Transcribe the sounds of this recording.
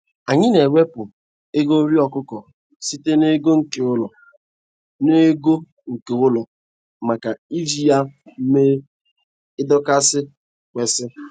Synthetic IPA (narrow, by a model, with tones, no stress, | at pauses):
a˨ɲɪ˦ne˨we˦pʊ˨ | e˦ɡo˦ɾi˦ɔ˨kʊ˦kɔ˨ | si˦te˦ne˦ɡo˦ŋ̩˨ke˨ʊ˦lɔ˨ | ne˦ɡo˦ | ŋ̩˨ke˨ʊ˦lɔ˨ | ma˨ka˨i˦vi˨ja˦m̩˦me˦ | ɪ˦dɔ˦ka˦sɪ˦ | kʷe˨sɪ˦